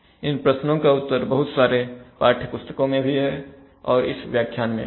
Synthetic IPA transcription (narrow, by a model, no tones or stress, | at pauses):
ɪnpɾəsnõkaʊt̪ːəɾbɐɦʊt̪saːɾepaːɾʈʰəpʊst̪ə̥kõmẽbʱiɦɛ | ɔːɾɪ̰sʋjaːkʰjaːnmḛ̃